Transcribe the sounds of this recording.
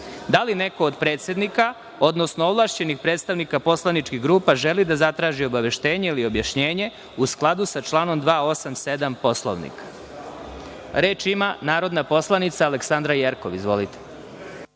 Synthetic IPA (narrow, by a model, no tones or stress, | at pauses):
d̪aline̞ko̞ːd̪pɾe̞ːt̪sʲe̞d̪nika | o̞d̪nosnooʋlˠaːʃt͡ɕenixpɾet̪st̪aʋnikapo̞slanit͡ʃkiɣɡɾuːpaʒe̞lid̪azat̪ɾaːʒio̞baʋe̞ʃt̪e̞ːɲeilio̞bjaʃɲe̞ːɲe̞ | usklˠad̪usat͡ʃlˠaːno̞md̪ʋaːosamse̞d̪ampo̞slˠo̰ʋnḭkʰḁ | ɾeːt͡ʃimanaːɾo̞d̪napo̞slˠanit̪saːleksand̪ɾajeɾkoʋizʋo̞̰lit̪e̥